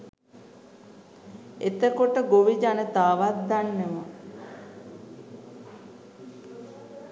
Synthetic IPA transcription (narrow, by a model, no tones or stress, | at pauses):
et̪əkoʈəɡoʋid͡ʒanət̪aːʋat̪̚d̪anːemə